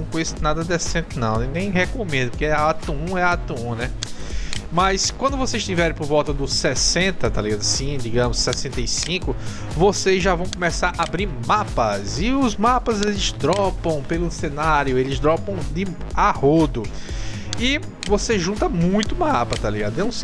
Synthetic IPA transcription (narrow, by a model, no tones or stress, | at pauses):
kojznad̪ɐd̪ɛsẽnt̪ɪnɐ̰̃w̃ɪnẽj̃hekomẽnd̪ʊpoɾkeɛɐat̪uũɛat̪uũnɛ | mɐjskwɐ̃nd̪ʊvosezʃt̪ivɛɾẽpoɾvɔwˠt̪ɐd̪ʊsɛsẽnt̪ɐt̪aliɡad̪ʊɐsĩd̪iɡɐ̃mʊsːɛsẽnt̪ejsĩkʊ | vosezʒavɐ̃w̃komɛsaɾabɾiɾmapɐzɪʊzmapɐzelɪzd̪ɾɔpɐ̃w̃pelʊsenaɾjʊelɪzd̪ɾɔpɐ̃w̃d̪ɪahod̪ʊ | ɪ | voseʒũnt̪ɐmũj̃t̪ʊmapɐt̪aliɡad̪ʊɛũs